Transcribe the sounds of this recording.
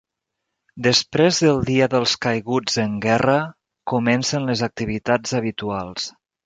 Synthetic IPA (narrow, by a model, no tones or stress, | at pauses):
d̪əspɾezðəlˠd̪iəðəlˠskəjɣud͡zəŋɡɛrə | kumɛnsənləzək̚t̪iβit̪ad͡zəβit̪ualˠs